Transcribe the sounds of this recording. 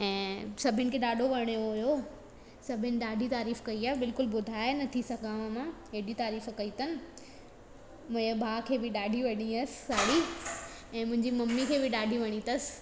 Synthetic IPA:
ɛ̃ːsɐbʱɪnɪ̆kʰeːɗaːɖʱoʋɐɽ̃joɦʊjo | sɐbʱɪnɪ̆ɗaːɖʱit̪aːɾiːfkɐiaːbɪlkʊlbʊd̪ʱaːenɐt̪ʰisɐɡʱãʋamãeːɗit̪aːɾiːfkɐit̪ɐnɪ̆ | mʊ̃bʱaːkʰeːbɪɗaːɖʱiʋɐɽĩɐsɪ̥saːɽi | ɛ̃ːmʊ̃ɦɪ̃ɲd͡ʑimɐmːikʰeːbɪɗaːɖʱiʋɐɽ̃it̪ɐs

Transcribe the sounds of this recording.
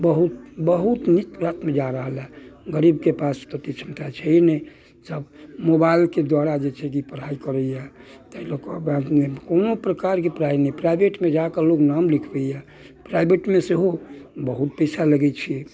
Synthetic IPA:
bəɦut̪̚bəɦut̪nit̪ɾat̪med͡ʒaɾəɦəlaɡəɾibkepast̪ot̪it͡ʃʰəmt̪at͡ʃʰɛinɛj | səbmobailked̪waɾad͡ʒet͡ʃʰɛkipəɾ̤aikəɾəjat̪əilokbad̪mekonopɾəkaɾkepɾainɛpɾaibeʈmed͡ʒakəloɡnamlikʰbɛja | pɾajbeʈmeseɦobəɦut̪̚pəjsaləɡɛt͡ʃʰi

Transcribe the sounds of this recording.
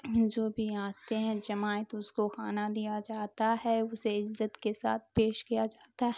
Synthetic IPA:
d͡ʒoːbʱiaːt̪eɦɛ̃d͡ʒɐmaːjət̪ʊskoxaːnad̪ijad͡ʒaːt̪aɦɛʊseɪzːət̪kesa̰ːt̪̚ʰpeːʃkijad͡ʒaːt̪aɦɛ

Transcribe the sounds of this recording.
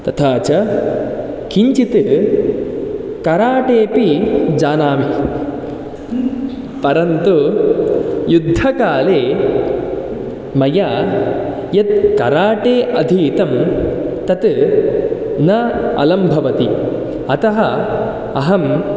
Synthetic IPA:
t̪ɐt̪ʰaːt͡ʃɐ | kiɲt͡ʃit̪ɨ | kɐɾaːʈeːpid͡ʒaːnaːʋi | pɐɾɐnt̪u | jud̪ʱːɐkaːleː | mɐja | jɐt̪̚kɐɾaːʈeːʔɐd̪ʱiːt̪ɐmt̪ɐt̪ɨ | nɐɐ̰lɐmbʱɐʋɐt̪i | ɐt̪ɐɦɐ | ɐɦɐm

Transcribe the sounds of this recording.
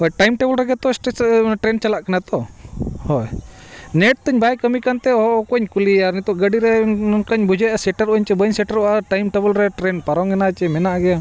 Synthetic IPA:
hɔjʈajmʈɛbəlɾɛɡɛt̪ɔsʈeʈɾɛnt͡ʃalaʔkanat̪ɔhɔjnɛʈ̚t̪əɲbajkəmikant̪ɛɔɦɔʔɔkɔɲkuliaɾnit̪ɔʔɡəɖiɾɛkəɲbud͡ʒɛasɛʈaɾɔɲt͡ʃɛbəɲsɛʈaɾɔʔaʈajmʈɛbəlɾɛʈɾɛnpaɾɔŋɛnat͡ʃɛmɛnaʔɡɛja

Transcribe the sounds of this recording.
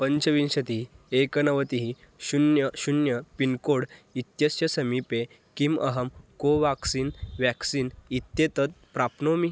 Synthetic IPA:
pəɲt͡ɕəʋinɕət̪iɦiekənəʋət̪iɦi | ɕunjəɕunjəpinkoɽit̪jəsjəsəmipe | kimə̰ɦəmkoʋaksinʋɛksinit̪jet̪ət̪̚pɾapnomi

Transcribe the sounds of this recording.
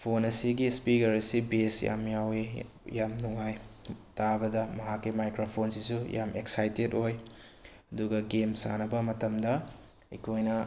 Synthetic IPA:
pʰonɐsiɡispikɐɾɐsibesja̰mjawi | jamnuŋajtabɐdɐmɐɦakːimajkɾopʰonsisujʔa̰mʔeksajtetoj | ɐduɡɐɡemsa̰nɐbɐmɐtɐmdɐ | ikʰojnɐ

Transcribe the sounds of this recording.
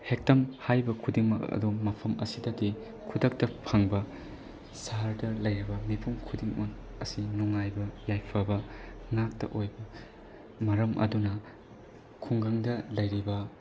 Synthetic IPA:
hek̚tɐmhajbɐkʰudiŋmɐkɐ̰dumɐpʰɐmɐsidɐdi | kʰudɐk̚tɐpʰaŋbɐ | saɾdɐlɐjɾibɐmipʰumkʰudiŋmɐk̚ɐsinuŋajbɐjajpʰɐbɐŋak̚tɐ̰ʔojbɐ | mɐɾɐmʔɐ̰dunɐ | kʰuŋɡɐŋdɐlɐjɾibɐ

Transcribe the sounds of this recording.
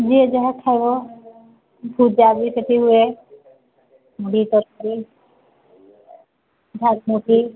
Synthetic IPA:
d͡ʒied͡ʒaɦakʰːajbɔ | bʱud͡ʒabiseʈʰiɦue | muɽit̪ɔɾ̚kɔɾi | dʱak̚muʈʰi

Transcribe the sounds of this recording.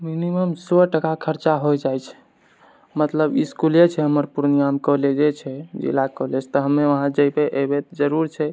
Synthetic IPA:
miniməmsɔʈəkakʰəɾt͡ʃaɦojd͡ʒajt͡ʃʰɛ̥ | mət̪ləbiskulet͡ʃʰɛɦəməɾpuɾnijamkɔɦled͡ʒet͡ʃʰɛd͡ʒḭlakɔɦlɛt͡ʃʰɛ̥t̪ɔɦəmːeʋəɦãd͡ʒəjpeʔebet̪d͡ʒəɾuɾt͡ʃʰɛ

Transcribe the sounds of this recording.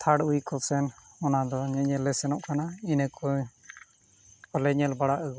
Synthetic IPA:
t̪ʰaɽujkɔsɛnɔnad̪ɔɲɛɲɛlːɛsɛnɔʔkanainɛkɔ | kɔlɛɲɛlbaɽaʔəɡ

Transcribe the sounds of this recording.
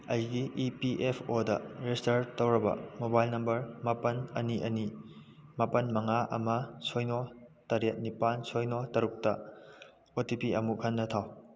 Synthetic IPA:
ɐjɡiipiʔepʰodɐ̰ɾestɐɾtɐwɾɐbɐ̰mobajlnɐmbɐɾmɐpɐnɐniʔɐni | mɐpɐnmɐŋaɐmɐsojnotɐɾɐt̚nipansojnotɐɾuk̚tɐ | otipiɐmuhʰɐnːɐtʰaw

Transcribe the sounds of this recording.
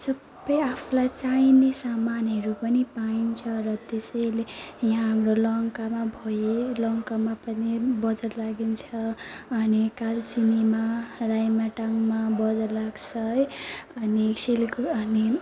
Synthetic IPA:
sʌb | ʌjapʰulajt͡sajnesamanɦʌɾupʌnipaint͡sʰʌrʌt̪esʌjlejãɦamrolʌŋkamabʱʌjelʌŋkamapʌnibʌd͡zʌɾlaɡint͡sʰʌʌnikalt͡sinimarajmaʈaŋmabʌd͡zʌllaɡt͡sʰʌjʌnisilkʌni

